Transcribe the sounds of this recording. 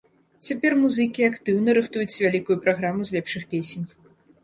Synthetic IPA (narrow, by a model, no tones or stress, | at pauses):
t͡sʲapʲɛrmuzɨkʲiakt̪ɨwnɐɾɨxt̪ujut͡sʲvʲalʲikujupɾaɣɾamuzʲlʲɛpʂɨxpʲesʲenʲ